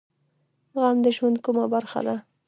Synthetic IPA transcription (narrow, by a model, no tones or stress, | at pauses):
ɣamd̪əʒwand̪̚kumabaɾxa̰d̪a